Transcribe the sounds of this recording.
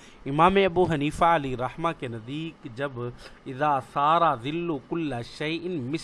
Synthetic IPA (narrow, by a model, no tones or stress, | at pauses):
ɪmaːmeɐbuːɦɐniːfaɐliɾˤɐhmakenɐd̪iːkd͡ʒɐbɪðaːsaːɾaːðɪlːukʊlːaʃɐjʔɪnmɪ